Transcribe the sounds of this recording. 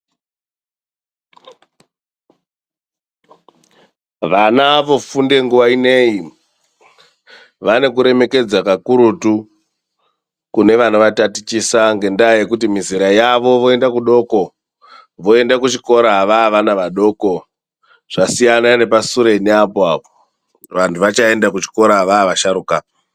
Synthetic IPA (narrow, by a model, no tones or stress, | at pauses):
ʋanaʋo̞funde̞ŋɡuʋaine̞i | ʋane̞kuɾe̞me̞ke̞d͡zakakuɾutu | kune̞ʋan̤uʋatatit͡ʃisaŋɡe̞ndajekutimiziɾajaʋo̞ʋo̞e̞ndakuɗo̞ko | ʋo̞e̞ndakut͡ʃiko̞ɾaʋaʋanaʋaɗo̞ːko̞ | ʐ̥asijanane̞pasuɾeneapoaːpo | ʋantʰuʋat͡ʃae̞ndakut͡ʃi̥ko̞ɾaʋaːʋaʃaɾuka